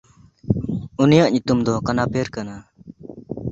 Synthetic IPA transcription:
unijaʔɲut̪umd̪ɔkanapeɾkana

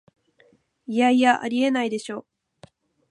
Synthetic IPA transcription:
ijaijaʔa̰ɾʲie̞naid̪e̞ɕo̞ː

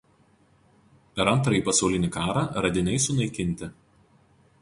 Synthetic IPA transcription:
pʲɛɾɐnʲˑt̪ɾɐiːˑpɐsɒʊlʲɪnʲɪˑkɑːɾɑːɾɐd̪ʲɪnʲɛɪsʊnɐɪkʲɪnʲt̪ʲɪ

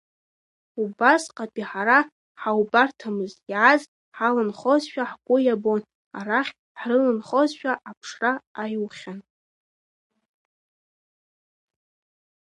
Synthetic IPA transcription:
ubasqʼapʼiħaɾa | ħawbartʰamɨzjaz | ħalɨnχozʃᶣaħɡʷʊjabo̞n | a̰ɾaχʲ | ħrɨlɨnχozʃᶣaʔapʰʂraːjwχʲan

